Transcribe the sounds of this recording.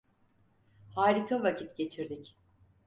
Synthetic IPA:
haːɾikʰavacʰit̪ɟe̞t͡ʃʰiɾd̪ic

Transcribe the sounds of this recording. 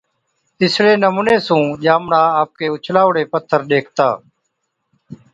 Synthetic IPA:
ɪsɽeːnəmuːneːsũːʄaːmɳaːaːp̚keːʊt͡ʃʰlaːʋɽeːpət̪ʰːəɾɗ̪eːkʰt̪aː

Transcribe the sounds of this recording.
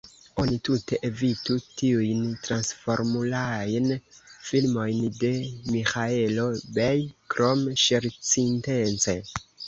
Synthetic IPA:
o̞nitute̞ʔevitutiujntɾansfo̞ɾmulajnfilmo̞jnde̞mixae̞lo̞bejkɾo̞mʃeɾt͡sintent͡se

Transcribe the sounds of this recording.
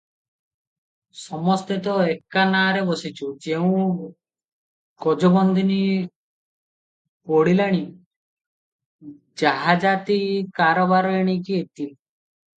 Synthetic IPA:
sɔmɔst̪et̪ɔekːanaːɾebɔsit͡ʃʰud͡ʒeũ | kɔd͡ʒɔbɔnd̪ʱini | pɔɽilaɽ̃i | d͡ʒaɦad͡ʒat̪ikaɾɔbaɾɔeɽ̃ik̬iet̪i

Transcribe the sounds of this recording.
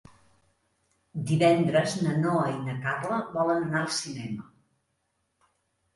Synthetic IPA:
d̪iβɛnd̪ɾəznənoəinəkarləβɔlənənaəlˠsinɛmə

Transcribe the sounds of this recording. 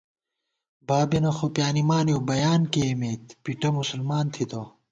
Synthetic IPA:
baːbenɐxopjaːnimaːnjeobɐjaːnkeːmeːt̪piʈɐmusulmaːnt̪ʰit̪o

